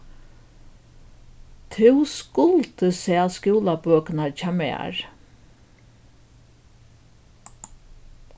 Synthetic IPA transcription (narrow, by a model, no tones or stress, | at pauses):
t̪ʰɪwskʊlt̪əsɛaskjuːlabøːknat͡ʃaːmɛ̰a̰ɹ